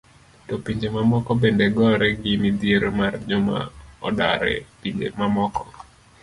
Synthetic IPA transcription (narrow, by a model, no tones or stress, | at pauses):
tɔpiɲd͡ʒemamɔkɔbendeɡɔɾɛɡɪmid̪jeɾomard͡ʒɔma̰ɔ̰da̰ɾɛ̰piɲd͡ʒḛmamɔkɔ̥